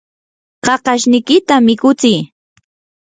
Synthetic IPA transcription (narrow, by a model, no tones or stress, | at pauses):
qɑqɑʃnɪjkɪt̪amɪkʊt͡sɪj